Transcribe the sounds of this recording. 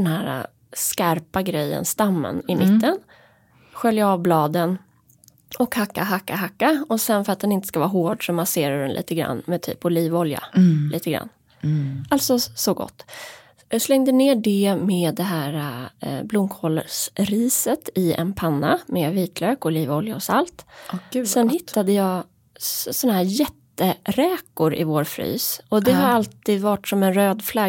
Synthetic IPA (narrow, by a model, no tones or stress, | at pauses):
d̪ɛnhæːɾa̰ | skaɾpaɡɾɛjːə̰nst̪amːə̰nɪmɪt̪ːən | ɧœljaɑːvblɑːd̪ən | ɔkhakːaɦakːaɦakːaɔsɛnfœɾat̪̚d̪ɛnɪnt̪əskavɑːɦoːɖʂɔmaseːɾad̪ɛnlḭːt̪əɡɾa̰nːmɛt̪ʰy̰ːpʊliːvɔlja̰liːt̪əɡɾa̰nː | alt̪sɔsɔɡɔ̰t̪ː | slɛŋd̪əneːɖɛmeːd̪ːɛɦæːɾablʊmkʰɔːləʂɾiːsət̪ɪɛ̰npʰanːamɛviːt̪ʰløːkɔliːvɔljaɔsalt̪sɛnhɪt̪ːad̪əjɑː | sɔnaɦæːɾjɛt̪ːəɾɛːkʊɾʔɪ̰voːɾfɾy̰ːsɔd̪ɛɦaɾalt̪ʰiːd̪vaʈsɔmɛnɾøːd̪fla